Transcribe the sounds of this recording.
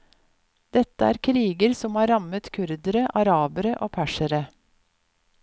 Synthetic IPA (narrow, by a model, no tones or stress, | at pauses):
d̪̥ɛt̪əæ̰ːɾkʰɾiːɡəɾsɔmhɑːɾɑmət̪kʰʉɾd̪əɾəʔɑɾɑːbəɾəʔoːpʰæʃəɾə